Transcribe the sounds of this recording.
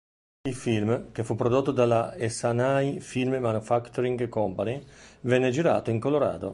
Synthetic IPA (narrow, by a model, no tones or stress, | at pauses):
ilfilmkefupːɾod̪ot̪ːod̪alaesanajfilmemanufakt̪oɾiŋɡkɔmpanivɛnːed͡ʒiɾa̰ːt̪oiŋkoloɾa̰ːd̪o̰